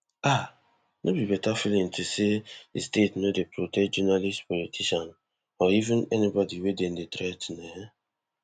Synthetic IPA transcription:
a | nʔobibɛtafilĩntʰuseḛstetnodepɾotɛd͡ʒɛnalistpɔlitʰiʃan | ɔivɪ̃nɛnibɔdiweden̩detɾɛtneɦe

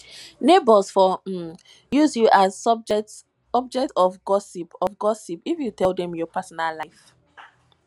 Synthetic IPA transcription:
nebəsfɔ | juzjuʔazɔb̚d͡ʒɛt | ɔb̚d͡ʒɛk̚tɔfɡɔsipɔfɡɔsipifjutʰɛlˠdɛ̃mjɔpʰasɔnallaɪf

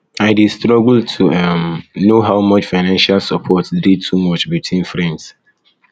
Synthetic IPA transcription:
aɪdistʰɾɔɡl̩tʰuamnoɦaʊmʌt͡ʃfaɪnãnʃalsɔpʰɔtditʰumʌt͡ʃbitʰwĩnfɾɛ̃ns

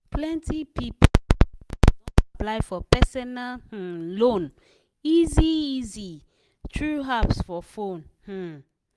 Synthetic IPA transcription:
plɛ̃ntipip | aplaɪfɔpɛsɔnalh̩lõn | iziizi | tʰɹuɦapsfɔfõnh̩

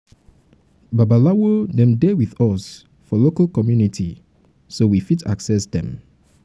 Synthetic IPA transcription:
babalawodɛ̃mdewiðɔs | fɔlokalkɔmjunitʰi | sowifita̰ksɛsdɛ̰̃m

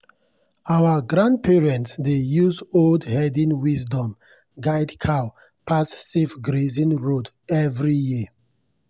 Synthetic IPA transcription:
awəɡɹãnd̚pʰɛɹɛ̃ntsdejuzoldhɛdĩnwizdɔ̃m | ɡajdkʰa | pʰasːifɡɹezĩnɹod | ɛvɹiji

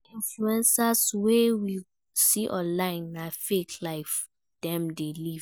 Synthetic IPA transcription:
ĩnfluɛ̃nsaswewi | siʔɔ̰̃nlãɪ̃nːafekʰlaɪf | d̥ɛ̃mdeliv

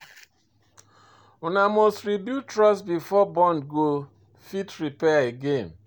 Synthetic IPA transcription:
ʊnamɔstɾibjutɾɔsbifɔbɔ̃ndɡo | fitɾipɛaeɡen

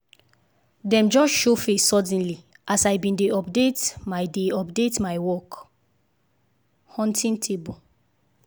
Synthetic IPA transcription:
dɛ̃md͡ʒɔsʃofesːɔd̃nli | ʔasajbĩndeɔpdetmajdeɔpdetmajwɔk | hɔ̃ntʰĩntʰebo

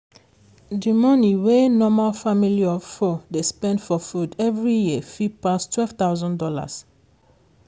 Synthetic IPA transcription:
dimɔ̃niwenɔmalfamiliɔvfɔdespɛ̃ndfɔfudɛvɹijifipastwɛlvt̪awzɔ̃ndɔla̰s

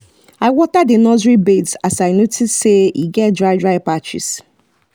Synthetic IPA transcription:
aɪwɔtadɪnɔzɹibetsasaɪnotisːeḭɡɛt̚dɹaɪdɹaɪpat͡ʃḭs

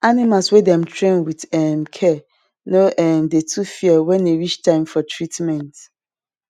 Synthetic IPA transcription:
animaswedɛ̃mtʰɹẽnwidɛmkʰɛ | noʔɛmdetʰufiɛwɛ̃nːeɹit͡ʃtʰãɪ̃mfɔtʰɹitmɛ̃nt

